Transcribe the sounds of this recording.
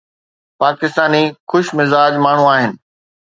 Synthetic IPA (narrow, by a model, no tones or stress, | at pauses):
paːkɪst̪aːnixʊʃmɪzaːd͡ʑmaːɳ̤ũaːɦɪnɪ̆